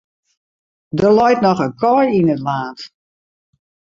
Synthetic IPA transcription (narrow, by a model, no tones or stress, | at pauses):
dərlɔjtnɔxənkʰɔjinətlaːnt